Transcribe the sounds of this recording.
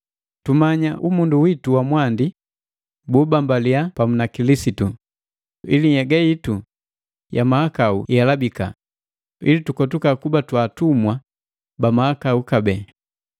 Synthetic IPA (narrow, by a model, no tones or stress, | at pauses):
tumaɲaʔumunduwituwamwandi | buːbambaliapamunakilisitu | ḭlijɛɡajitu | jamahakaṵjalabika̰ | ḭlitukɔtukakubatwaːtumwa | bamaakaukabɛː